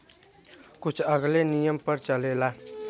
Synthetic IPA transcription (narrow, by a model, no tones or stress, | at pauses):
kut͡ʃʰʌɡlenijʌmpʌɾt͡ʃʌlela